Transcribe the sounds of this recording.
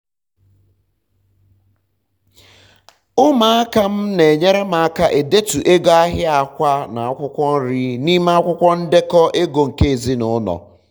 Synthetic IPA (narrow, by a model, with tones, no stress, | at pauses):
ʊ˦ma˨˦a˦ka˦m̩˦ne˨ɲe˦ɾe˦ma˨a˦ka˦ʔe˨de˦tu˨ʔe˦ɡo˦a˦ɦɪ˦a˨kʷa˦na˨a˨kʷʊ˦kʷɔ˦n̩˦ɾi˦ni˦m˦a˦kʷʊ˦kʷɔ˦n̩˦de˦kɔ˦ʔe˦ɡo˨ŋ̩˨ke˦e˨zi˦nʊ˨˦nɔ̰˨